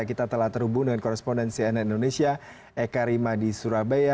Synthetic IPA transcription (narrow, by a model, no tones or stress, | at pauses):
akit̪at̪əlaht̪ərɦubudəŋankoɾɛspondɛnsiɛnɛindonesia | ekaɾimadisuɾabaja